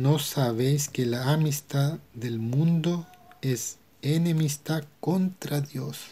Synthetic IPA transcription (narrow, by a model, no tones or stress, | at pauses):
nosaβejskelaːmist̪aðelmũnd̪oes | enemist̪akont̪ɾaðjos